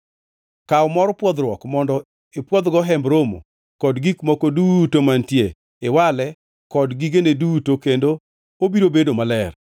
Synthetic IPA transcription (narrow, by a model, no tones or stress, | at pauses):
kaɔmɔɾpwɔd̪ɾwɔkmɔndɔ | epwɔd̪ɡɔɦɛmbɾomo̰ | kɔdɡikmɔkodutomantje | ɪwalɛ | kɔdɡiɡenedutokendo | obiɾobedomalɛr